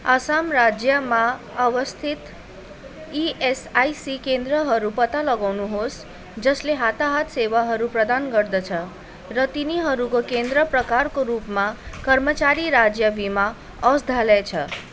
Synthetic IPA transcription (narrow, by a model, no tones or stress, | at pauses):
asamrad͡zjʌma | ʌʋʌst̪ʰit̪ | iesajsikend̪ɾʌɦʌɾupʌt̪alʌɡawnuɦos | d͡zʌsleɦat̪aɦat̪sewaɦʌɾuprʌd̪anɡʌrd̪ʌt͡sʰʌ | rʌt̪iniɦʌɾukokend̪ɾʌprʌkarkoɾupmakʌɾmʌt͡saɾiɾad͡zjʌbima | ʌsd̪ʱalat͡sʰʌ